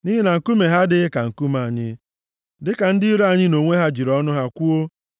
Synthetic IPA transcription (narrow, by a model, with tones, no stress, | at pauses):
ni˦ɦe˦na˨ŋ̩˨ku˦me˨ɦa˦dɪ˦ɪ˦ka˨ŋ̩˨ku˦ma˨ɲɪ̰˦ | dɪ˦ka˨n̩˦dɪ˦i˦ɾa˦˨ɲɪ˦no˨ŋʷe˦ɦa˦d͡ʒi˨ɾɔ˦nʊ˦ɦa˦kʷu˦o˦